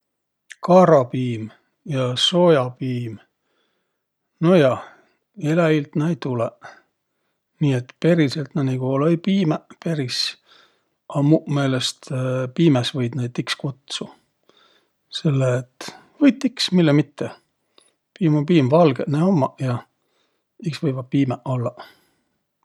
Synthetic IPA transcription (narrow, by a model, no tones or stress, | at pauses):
kɑɾɑpiːm | jɑso̞jɑpiːm | nojɑ | elæilt̪næjt̪ule | niːet̪pe̞ɾiselt̪nænikoːlojpiːmepeɾis | ɑmume̞ːlest̪piːmesvɤjd̪̥næjt̪ːikskut̪su | se̞lːeːt̪ | vɤjt̪ːiksmilːemit̪ʰːe | piːmopiːmvɑlɡ̥eneomːɑjɑ | iksvɤjvɑpiːmeʔo̞lːɑ